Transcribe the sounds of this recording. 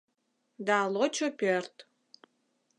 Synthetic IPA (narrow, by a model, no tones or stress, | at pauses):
d̪alot͡ɕopʲørt̪